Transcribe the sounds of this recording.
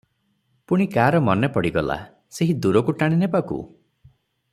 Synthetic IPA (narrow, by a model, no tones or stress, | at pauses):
puɽ̃ikaːɾɔmɔnepɔɽiɡɔla̰ | seɦid̪uɾɔkuʈaɽ̃inepakṵ